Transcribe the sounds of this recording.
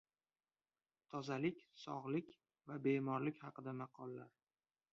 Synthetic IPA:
t̪ʰɒzalɪkʲsɒ̰ʁlɪkʲ | vabemɒɾlɪkʲhɑqɨd̪amɑqʰɒlˠːaɾ

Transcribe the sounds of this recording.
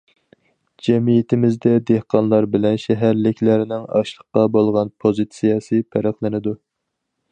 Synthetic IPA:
d͡ʒɛmijɪt̪ʰɪmɪzd̪ɛd̪ehqɑnlˠɑɾbɪlɛnʃɛɦæɾlɪkʲʰlæɾɪnɪŋɑ̰ʃlˠəqːɑbolˠʁɑnpʰozɨt̪sijɑsɨpʰæɾæχlˠɪnɪd̪u

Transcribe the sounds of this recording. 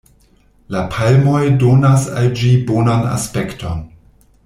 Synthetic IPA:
lapʰalmojdonasa̰ld͡ʒibonana̰spektʰon

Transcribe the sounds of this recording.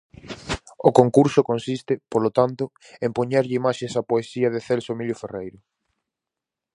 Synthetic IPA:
okoŋkuɾsʊkõnsist̪ɪpolot̪ant̪ʊ | ẽmpoɲaɾʎɪimaʃesapoesiɐðeθelsomiʎoferejɾʊ

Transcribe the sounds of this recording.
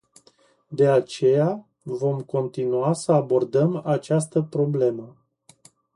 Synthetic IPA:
d̪e̞at͡ʃe̞ja | vo̞mko̞nt̪inuasəabo̞rd̪əmat͡ʃast̪əpɾo̞ble̞mə

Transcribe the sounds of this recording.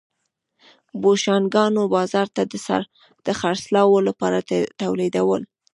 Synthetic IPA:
boʃɑnɡɑnobɑzɑɾt̪ad̪əsa̰ɾ | d̪̥əxaɾslɑwolapɑɾaet̪awled̪awəl

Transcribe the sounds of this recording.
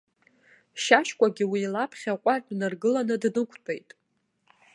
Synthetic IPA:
ʃaʃkʷʼaɡʲiwiːlapʰχʲaqʷʼarnɨrɡɨlanɨdnɨkʷʰtʼejtʼ

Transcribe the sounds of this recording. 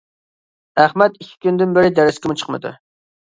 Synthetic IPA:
æχmɛt̪ikʲʰːi̥kʲynd̪ɪnbɪɾɪd̪ɛɾɪskʲɛmut͡ʃʰə̥qmɨ̰d̪ṵ

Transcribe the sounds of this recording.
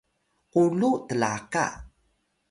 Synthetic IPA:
qulutəla̰ka̰

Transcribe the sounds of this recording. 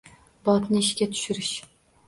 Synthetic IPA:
bɑt̪nɨiʃkʲɛt̪ʰy̥ʃyɾɪʃ

